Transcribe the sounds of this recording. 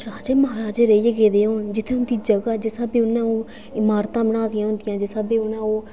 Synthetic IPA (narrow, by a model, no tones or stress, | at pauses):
ɾaːd͡ʒeːməɦaːɾaːd͡ʒeːɾeiːəɡeːd̪eːɦoːnd͡ʒɪt̪ʰːẽːʊnd̪iːd͡ʒəɡaːd͡ʒeːsaːbẽːʊnãːoː | ɪmaːɾt̪ãːbəɽaːd̪ɪjãːɦʊ̃nd̪ɪjãːd͡ʒeːsabeːʊnãːoː